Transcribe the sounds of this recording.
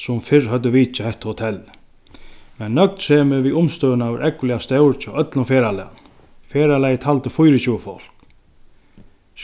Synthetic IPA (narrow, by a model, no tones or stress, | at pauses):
sʊmfɪɹɦœt̪əʋiːt͡ʃahɛht̪hʊt̪ʰɛl | mɛnːœk̚t̪sɛːmɪʋiʊmst̪œːwnaʋɪɾʔɛklɪast̪ɛwɾt͡ʃʰɔʔœt̪lʊnfɛːɾalɛn | fɛːɾalɛjt̪ʰalt̪əfujɾɪt͡ɕuːəfɔl̥k